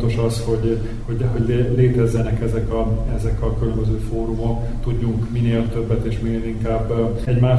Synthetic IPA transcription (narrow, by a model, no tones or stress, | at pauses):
t̪o̞ʃɒsho̞ɟ | ho̞ɟɛɦoɟlleːt̪ɛzːɛnɛkɛzɛkɒɛzɛkɒkylømbøzøːfoːɾumo̞k | t̪uɟːuŋkmineːlt̪ø̞bːɛt̪eːʃmineːliŋkaːbː | ɛɟmaː